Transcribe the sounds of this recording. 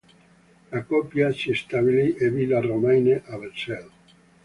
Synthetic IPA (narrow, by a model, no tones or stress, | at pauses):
lakɔpjasist̪aβiliʔevilaromajneʔaβesɛl